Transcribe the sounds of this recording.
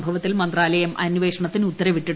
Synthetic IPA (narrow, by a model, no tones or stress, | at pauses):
bʱɐʋɐt̪ːilmɐnd̪raːlɐjɐmʔɐnʋe̞ːʂɐɳɐt̪ːinut̪ːɐɾɐʋiʈːi